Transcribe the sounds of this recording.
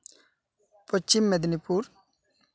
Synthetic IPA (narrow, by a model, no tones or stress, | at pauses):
pɔt͡ʃːimːed̪nipʰuːɾ